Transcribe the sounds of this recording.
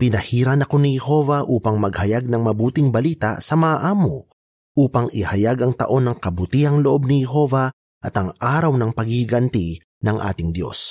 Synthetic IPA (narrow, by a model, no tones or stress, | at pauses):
pɪnɐhiːɾɐnɐko̞nɪhɛho̞vɐʔuːpɐŋmɐɡ̚hɐjaɡ̚nɐŋmɐbuːt̪ɪŋbɐliːt̪ɐ̰sɐmɐʔaʔaːmo | ʔuːpɐŋɪhɐjaɡɐŋt̪ɐ̰ʔo̞nːɐŋkɐbʊt̪ihɐŋloʔo̞b̚nɪhɛɦo̞vɐ | ʔɐt̪ɐŋaːɾɐwnɐŋpɐɡiɡɐnt̪i | nɐŋʔa̰ːt̪ɪŋd̪jo̞̰s